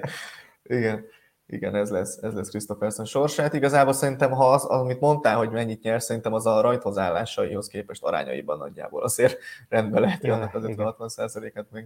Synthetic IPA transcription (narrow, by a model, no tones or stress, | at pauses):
iɡɛn | ḭɡɛnɛzlɛsɛzlɛskrist̪o̞fɛrsɛnʃo̞rʃaːt̪iɡɒzaːbolsɛɾint̪ɛmɦɒzɒmit̪mo̞nt̪aːlɦo̞ɟmɛɲːit̪ɲɛrsɛɾint̪ɛmɒzɒɾɒjt̪hozaːlːa̰ːʃɒjiho̞skeːpɛʃt̪ɒɾa̰ːɲɒ̰jḭbɒ̰nːɒ̰ɟːa̰ːbo̞̰lɒzeːrrɛnd̪̚bɛlɛɦɛt̪iɒnːɒkɒzøʋɛnɦɒt̪ʋɒnsaːzɒleːkɛt̪meːɡ